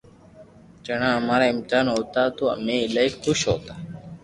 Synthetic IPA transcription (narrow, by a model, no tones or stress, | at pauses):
t͡ʃəɳãːəmaːɾaːɪmt̪aːnɦoːt̪aːt̪oːə̰mẽːɪlaːikxʊʃɦo̰ːt̪aː